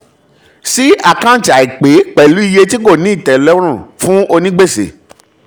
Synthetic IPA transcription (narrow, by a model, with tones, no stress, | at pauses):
si˦a˦˨kã˦˨ta˨i˨k͡pe˨˦k͡pɛ˨lu˨˦i˧je˧ti˦ko˦˨nĩ˨˦i˦˨tɛ˨lɔ˨˦ɾ̃ũ˦˨fũ˦o˧nĩ˦ɡ͡be˦˨sḛ˨